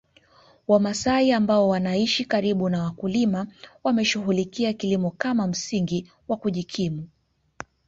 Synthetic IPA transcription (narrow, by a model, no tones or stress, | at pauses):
wamasaiambaɔwanaiʃikaɾiɓunawakulimawamɛʃuɦulikiakilimɔkamam̩siŋɡi | wakuʄikʰimu